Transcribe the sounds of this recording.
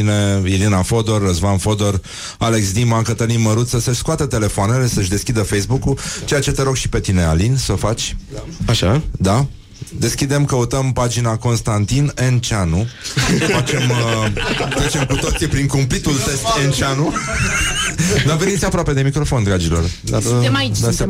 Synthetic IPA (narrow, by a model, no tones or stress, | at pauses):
ineilinafo̞d̪o̞rːəzvanfo̞d̪o̞r | ale̞ksd̪imaŋkət̪əlimməɾut̪səsəʃʲskʊat̪ət̪e̞le̞foane̞le̞səʃʲd̪e̞skʲid̪əfejsbukut͡ʃe̞jat͡ʃe̞t̪e̞ɾo̞ɡʃi̥pe̞t̪ine̞alinsəfat͡ʃʲaʃad̪a | d̪e̞skʲid̪e̞mkəut̪əmpad͡ʒinako̞nst̪ant̪ine̞nt͡ʃeanufat͡ʃe̞m | t̪ɾet͡ʃe̞mkut̪o̞t̪sʲipɾiŋkumplit̪ult̪e̞st̪ent͡ʃeanu | d̪arvenit̪sʲapɾoape̞d̪e̞mikɾo̞fo̞nd̪ɾad͡ʒilo̞rd̪ard̪a